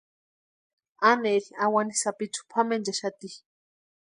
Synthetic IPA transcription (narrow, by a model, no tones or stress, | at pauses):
aneɾiawanisapit͡su̥pʰamend͡ʒaʃat̪i